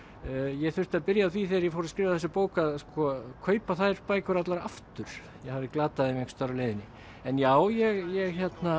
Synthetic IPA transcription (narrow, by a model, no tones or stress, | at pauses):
jɛɣθʏ̥t̪aðpɪɾjaːθviθeɾjɛfowɾskɾɪːvaðθɛsːɪpoːwkaðskɔkʰœːɥpaθajɾ̥paːjkʏɾat̪laɾaaft̪ʏɾ̥ | jɛhavðɪklaːt̪aðɪmɛɣst̪œɾalejðɪnːɪ | ɛnjaːwjɛɣjɛɣçɛt̪na